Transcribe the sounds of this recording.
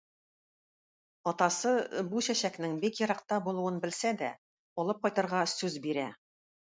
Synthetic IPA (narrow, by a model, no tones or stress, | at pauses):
ɒt̪ɑsɤbuɕæɕæknɘŋbikjɤ̆ɾɑq̚t̪ɑbulˠuwɤnbɘ̆lsæd̪æ̰ | ɒlˠɤp̚qɒjt̪ɑ̆ɾʁɑsʉzbiɾæ